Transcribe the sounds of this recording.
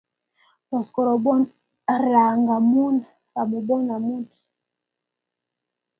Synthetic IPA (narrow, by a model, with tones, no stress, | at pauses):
tɔ˨skɔ˨ɾɔ˨bɔ˦n | ɾa˨ŋɡa˨mu˦na˨ | ɾa˨mu˨bɔ˦na˨mu˦nti̥˨